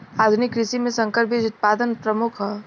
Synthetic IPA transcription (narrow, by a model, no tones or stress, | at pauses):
aːd̪ʱunɪkːɾɪʃimẽsə̃ŋkəɾpid͡ʒʊt̪̚paːd̪ənpɾəmʊkʰɦɛ